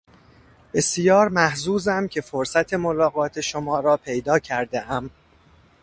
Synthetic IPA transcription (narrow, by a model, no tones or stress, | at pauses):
b̥e̞sjɒːɾmæhzuːzæmcʰe̞foɾsæt̪ʰe̞mo̞lɒːɣɒːt̪ʰe̞ʃomɒːɾɒːpʰe̞jd̪ɒːcʰæɾd̪e̞ʔæm